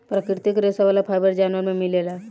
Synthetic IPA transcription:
pɾakɾt̪ɪkɾesaʋaːlapʰaːjbəɾd͡ʒaːnʋəɾmẽmɪlela

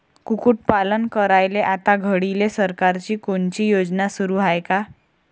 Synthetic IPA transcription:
kukuʈ̚palənkəɾajleʔat̪aɡʱəɽilesəɾkaɾt͡ɕiːkoɳt͡ɕiːjod͡ʑnasuɾuːɦajka

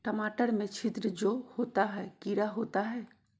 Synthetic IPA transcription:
ʈəmaːʈəɾmẽt͡ʃʰɪt̪ɾəd͡ʒohoːt̪aɦɛːkiɾaɦoːt̪aɦɛː

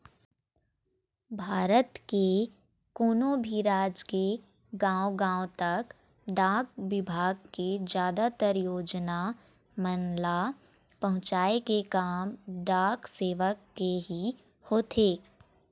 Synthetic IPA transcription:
bʱaːɾət̪ke | koːnobʱiɾaːd͡ʒke | ɡãːwoɡãːõt̪ɐk | ɖãːk̚ʋɪbʱaːɡ̚ked͡ʒjaːd̪at̪əɾjoːd͡ʒna | mənla | pɐ̃ɦʊ̃t͡ʃaːekekaːmɖãːkseːʋəkːeɦi | hoːt̪ʰeː

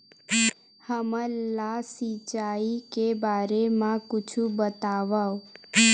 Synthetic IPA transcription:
həməlasit͡ʃaikebaɾemãkʊt͡ʃʰubət̪aʋao

